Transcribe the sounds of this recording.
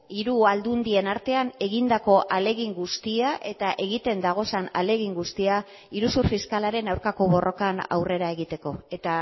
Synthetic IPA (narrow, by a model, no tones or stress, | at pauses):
iɾuald̪und̪ie̞naɾt̪e̞ane̞ɣind̪ako̞ʔale̞ɣ̞iŋɡust̪iaʔe̞t̪aʔe̞ɣit̪e̞nd̪aɣ̞o̞sana̰le̞ɣ̞iŋɡust̪ia | iɾusuɾfiskalaɾe̞nawɾkako̞β̞o̞rʔo̞kana̰wre̞ɾae̞ɣit̪e̞ko̞e̞t̪a